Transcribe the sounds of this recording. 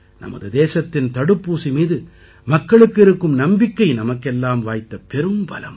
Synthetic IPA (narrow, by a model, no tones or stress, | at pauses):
nɐ̰mɐ̰ðɯd̪eːsɐt̪ːɪnt̪ɐɽɯpːuːsimiːðɯ | mɐkːɐɭɯkːɪɾɯkːɯmnɐmbɪkːɐɪnɐmɐkːɛlːaːmʋaːjt̪ːɐpɛɾɯmbɐ̰lɐ̰m